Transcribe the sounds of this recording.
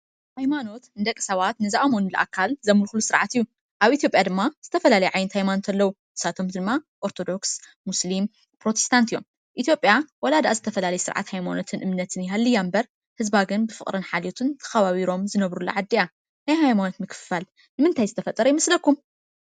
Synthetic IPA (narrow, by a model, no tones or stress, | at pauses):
hajmano̞t̪ɨnd̪ɐkʼːɨ̥sɐβat̪nɨzaʔamonulɐʔa̰kʰːalzɐmulxulusɨɾʕat̪ɨjːu | ʔaβʔit̪ʰjo̞pʼjad̪ɨmːaz̥ɨt̪ʰɐfɐlalɐjɛʕajnɨt̪hajmano̞t̪ʰɐlːɐwu | ʔɨsat̪ʰo̞md̪ɨmːaʔoɾt̪ʰo̞d̪o̞ks | muslim | pɾo̞t̪ʰe̥st̪ʰant̪ʰijo̞̰m | ʔit̪jo̞pʼjawɐlad̪aʔazɨt̪ʰɐfɐlalɐjɛsɨɾʕa̰t̪hajmano̞t̪ʰɨnʔɨmnɐt̪ʰɨnjɪɦalːɨjambɐɾ | hɨzbaɡɨnbɨfɨχʼɾɨnħalot̪ʰɨnt̪ʰɐ̥xɐβaβiɾo̞mzɨnɐβɾulɐ̰ʕad̪ːija | najɦajmano̞t̪mɨkʰɨ̥fal | nɨmɨnt̪ʰajzɨt̪ʰɐfɐt̪ʼːɐɾɐjɪmɐslɐkːum